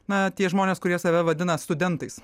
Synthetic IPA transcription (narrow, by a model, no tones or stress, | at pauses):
nɐt̪ʲiɛʒmoːnʲeːskʊɾʲiɛsɐʋʲɛʋɐd̪ʲɪnɐst̪ʊd̪ʲɛnt̪ɐɪs